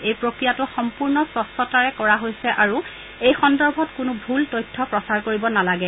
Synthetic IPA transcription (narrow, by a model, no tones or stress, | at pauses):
ejpɹokɹijatʊxɔmpuɹnɔsɔstɔtaɹɛkɔɹaɦojsɛʔaɹu | ejxɔndɔɹbʱɔtkʊnʊbʱultojtʰːɔpɹɔsaɹkoɹibɔnalaɡɛ